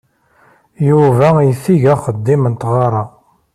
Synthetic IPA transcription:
juvæjəθiʝæχəd̪ːimənt̪ʁɑɾˤɑ

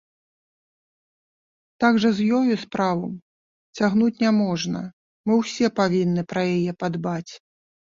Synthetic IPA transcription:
t̪aɡʐɐzjɔjuspɾavɐm | t͡sʲaɣn̪ut͡sʲnʲamɔʐnɐ̰ | mɨwsʲɛpavʲinːɨpɾɐjajɛpad̪bat͡sʲ

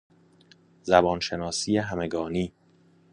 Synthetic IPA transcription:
zæbɒːnʃe̞nɒːsijeɦæmeɡɒːniː

